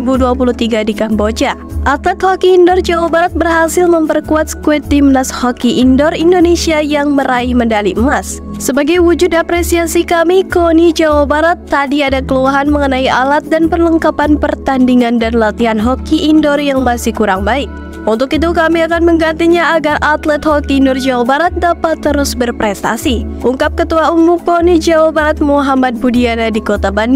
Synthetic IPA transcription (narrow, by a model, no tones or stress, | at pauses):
buduapuluht̪iɡadikambod͡ʒaʔat̪at̪hokiːndɔrd͡ʒawabaɾat̪̚bərɦasɪlməmpərkuat̪̚sə̥kuɛt̪imnashokiʔːndɔrindonesiajaŋməɾaihməndaliəmasː | əbaɡajwud͡ʒʊdapɾesiasikamikonid͡ʒawabaɾat̪ːadiadakəluaɦanməŋənaialat̪̚danpərləŋkapanpərt̪andiŋandanlat̪iɦanɦokiʔːndɔrjaŋmasikuɾaŋbaɪk̚ | unt̪ʊkit̪̬ukamiakanməŋɡant̪iɲaaɡarat̪lɛt̪hokinʊrd͡ʒawabaɾat̪̚dapat̪ːəɾʊsbərpɾɛst̪a̰siʔuŋkap̚kət̪uaumukonid͡ʒawabaɾat̪̚muɦamat̪̚budianadikot̪aban